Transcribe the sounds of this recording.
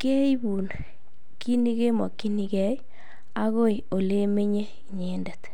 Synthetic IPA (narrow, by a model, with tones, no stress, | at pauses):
ke˦i˦βu˨n | ki˦ni˦ɣe˦mɔ̰˨ki˦ni˨ɣɛ˦i˦ | a˦ɣo˦i˨o˨le˦me˦ɲe˦ | ɲe˨nda˨t